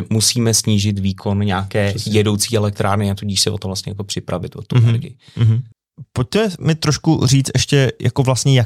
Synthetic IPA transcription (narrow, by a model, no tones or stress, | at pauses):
musiːmɛsɲiːʒɪt̪viːkʰo̞nɲaːkɛːjɛdo̞wt͡siːʔɛlɛk̚t̪ɾaːɾnɪat̪uɟiːʃsɛvot̪ovlast̪ɲɛjakopr̥ɪpɾavɪt̪vot̪ːuɛnɛ̰ɾɡɪ̰jɪɦ̩ | poc̚t̪ɛmɛmɪt̪ɾoʃkuriːt͡st̪ʔɛʃcɛja̰ko̞vlast̪ɲɛja